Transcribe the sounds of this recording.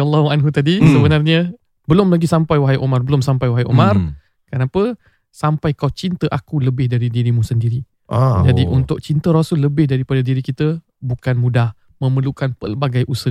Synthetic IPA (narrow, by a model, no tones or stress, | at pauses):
alːɔhuanɦut̪adisəbənarɲə | bəlʊmlaɡisampajwaɦajʔomarbəlʊmsampajwaɦjʔo̰mar | kənapə | sampajkawt͡ʃint̪əʔakuləbɪhdaɾidiɾimũsəndiɾi | ad͡ʒadiʔunt̪ʊk̚t͡ʃint̪əɾɔsʊlːəbɪhdaɾipadadiɾikit̪ə | bukanmũdah | mə̃məlukanpə̰rbaɡajʔusə